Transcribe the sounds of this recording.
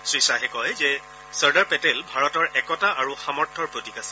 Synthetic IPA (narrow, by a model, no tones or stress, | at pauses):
sɹisaɦɛkɔjzɛ | səɹdaɹpɛtɛlbʱaɹɔtɔɹʔɛkɔtaʔaɹuxamɔɹtʰːɔɹpɹotikasɛ̥